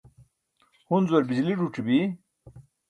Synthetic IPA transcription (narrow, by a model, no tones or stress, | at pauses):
hunzwɐɾbid͡ʑliɖuʈ͡ʂibi